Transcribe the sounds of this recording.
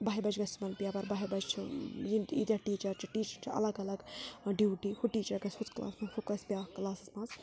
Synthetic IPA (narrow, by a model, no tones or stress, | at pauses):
bɐːibɐd͡ʒɡɐsʲt͡ʃʰimɐlpijapɐɾbɐɦibɐd͡ʒt͡ʃʰḭjinid̪ʲaʈiːt͡ʃɐɾt͡ʃʰiʈiːt͡ʃɐɾt͡ʃʰiʔɐ̰lɐɡɐlɐɡɖjiːʈihuʈːiːt͡ʃɐɾkɐshut̪kla̰ːsmɐfʰukɐsbʲjaːklaːsismɐːz